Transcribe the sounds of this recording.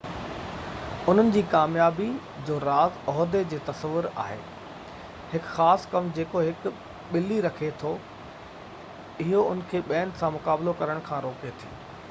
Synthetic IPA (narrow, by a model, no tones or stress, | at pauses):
ʊn̤ənɪ̆d͡ʑiːkaːmjaːbi | d͡ʑoːɾaːzɔɦd̪ed͡ʑeːt̪ɐsəʋʊɾa̰ːɦḛː | hɪkxaːskɐmd͡ʑeːkoɦɪk | ɓɪliɾɐkʰet̪ʰo | ɪɦoʊnkʰeːɓɛ̃ːnɖ̪sãmʊkaːblokɐɾəɽ̃kʰãːɾoːket̪ʰḭː